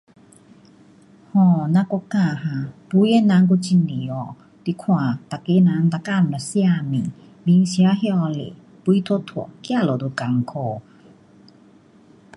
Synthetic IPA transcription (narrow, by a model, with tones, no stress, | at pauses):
hɔ̃˧˨nã˧kɔ˧kã˧˨ɦã˨pu˧˦e˦˨nã˧˦ŋk̬u˧˦t͡ɕi˧˨ni˨ɔ˨˧˨ | t̪i˧˨kʰw̃ã˨t̪a˨ke˧˦nã˧˦ŋt̪a˧˨ka˧˨m̩˨a˨si˦a˧˨mḭ̃˨ | bi˧˦ŋsi˧a˧˦ɦjɔ˧lḛ˨ | pu˧˦i˦t̪ʰo˧˦t̪ʰu˨kja˥˧˨lo˨d̪o˧˨ka˨ŋkʰɔ˧˨